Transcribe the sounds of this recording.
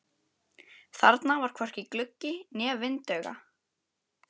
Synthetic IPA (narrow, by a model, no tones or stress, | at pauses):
θa̰ɾt̪navaɾ̥kʰɔr̥cɪklʏcːɪnɛːvɪnt̪œːɣa̰